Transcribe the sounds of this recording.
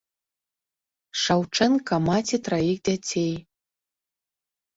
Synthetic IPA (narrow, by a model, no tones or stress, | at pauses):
ʂawʈ͡ʂʰɐnkamatʰit̪raixdʲatʲʰej